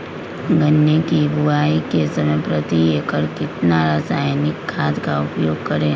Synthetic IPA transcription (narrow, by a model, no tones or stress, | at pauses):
ɡənːekibʱʊaːikesɐməjpɾət̪iekəɾkɪt̪naɾaːsaːjnɪkʰːaːd̪kaʊpjoːɡ̚kɐɾẽː